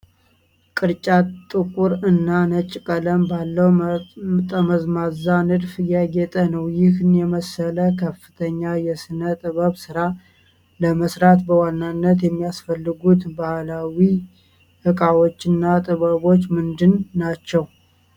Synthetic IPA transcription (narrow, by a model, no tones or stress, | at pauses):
kʼɨɾt͡ʃʼat̪ʼːɨkʼuɾɨnːanət͡ʃʼːkʼələmbalːəw | t̪ʼəməzmazanɨd̪fjɛɡɛt̪ʼənəwjɪhɨnjɛməsələkʰəfːɨt̪ʰəɲːajɛsɨnət̪ʼɨβəβsɨɾa | ləməsɾat̪bəwanːanːət̪̬jɛmːijasfəlːɨɡut̪bahlawi | hɨkʼawo̞t͡ʃːɪnːat̪ʼɨβəβo̞t͡ʃːmɨnd̪ɨnːat͡ʃːɛw